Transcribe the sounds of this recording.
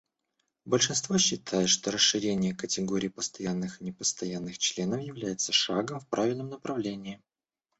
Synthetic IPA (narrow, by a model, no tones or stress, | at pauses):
bəlʲʂɨnst̪voɕːɪt̪ʰajʊt̪ʂt̪o̞ɾəsɨɾʲenʲɪjəkətʲɪɡoɾʲɪːpəst̪ɐjanːɨxɨnʲɪpəst̪ɐjanːɨxt͡ɕlʲenəfjɪvlʲæjɪt̪səʂaɡəmfpɾʔavʲɪlʲnəmnəpɾɐvlʲenʲɪː